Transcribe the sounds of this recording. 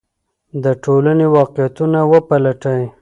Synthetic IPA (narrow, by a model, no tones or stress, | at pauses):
d̪əʈolanewɑqɪjat̪unawəpalaʈəj